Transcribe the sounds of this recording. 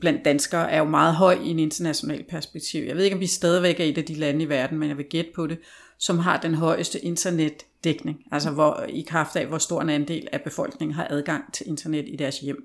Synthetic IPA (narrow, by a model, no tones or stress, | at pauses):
b̥læn̰d̥ːænsɡ̥ɐːʔæɐjo̝mɑ̈ːð̞̩ˠɦɒ̽ɪ̰iede̝nd̥ɐnæɕo̝nɛ̰ːlpʰæɐsb̥eɡ̥̚t͡sʰiʊ̰jaɪe̝ðˠe̝ɡɒ̽md̥isd̥ɛːð̞ˠiʋeɡ̥æɐid̥æd̥ilænəiʋæɐd̥n̩menjɑ̈ʋe̝ɡ̥ed̥̚pʰɒ̽ɾe̝ | sɒ̽mɦɑ̈d̥enɦɒ̽ɪ̰əsd̥əʔe̝nd̥ʰɐned̥ːeɡ̥ne̝ŋæl̰səʋɒikʰʁɑ̈fd̥ɛʋɒsd̥o̝ɐ̰enænd̥e̝̰ːlæb̥e̝fɒ̽l̰ɡ̥ne̝ŋn̩ɦɑ̈ʔæð̞ˠɡ̥ɑ̈ŋ̰t͡sʰe̝le̝nd̥ʰɐned̥id̥æɐsjem̰